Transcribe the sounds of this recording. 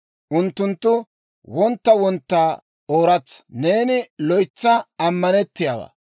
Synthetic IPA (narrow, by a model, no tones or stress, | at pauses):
ʔʊnt̪ːʊnt̪ːʊ | wɔnt̪ːɐwɔnt̪ːaː | o̞ːɾɐt͡sːɐ̥ne̞ːnɪlɔjt͡sːɐɐmːɐnɛt̪ːɪjaba̰ː